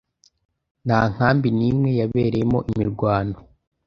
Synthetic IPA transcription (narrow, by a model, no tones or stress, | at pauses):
n̥haːŋ̥haːmbiniːmŋe̞jaβe̞ːɾejemo̞̰ʔimiɾɡwaːno